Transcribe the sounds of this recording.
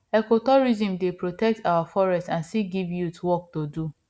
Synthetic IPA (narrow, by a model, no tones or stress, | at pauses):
ekotɔɾizĩmdepɾotɛk̚tʰawafɔɾɛstãnsiɡivjutwɔk̚todu